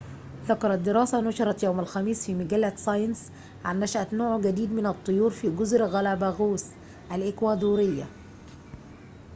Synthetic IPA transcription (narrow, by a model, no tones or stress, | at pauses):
ðɑkɑɾˤɑt̪̚d̪ːɪɾɑːsænɑʃɑɾˤɑt̪jawmælxæmiːsfiːmæɡælːæsˤɑjns | ʕanːæʃʔæt̪noːʕɡæd̪iːd̪mɪnɑt̪ˤːojuːɾfiːɡʊzɾɣælæbæɣuːs | ʔælʔɪkwæːd̪uːɾɪjːæ̰